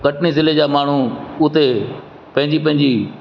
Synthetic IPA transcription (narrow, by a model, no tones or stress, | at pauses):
kɐʈʰnizɪled͡ʑaːmaːɳ̤uʊt̪e | pɐ̃ɦɪ̃ɲd͡ʑipɐ̃ɦɪ̃ɲd͡ʑiː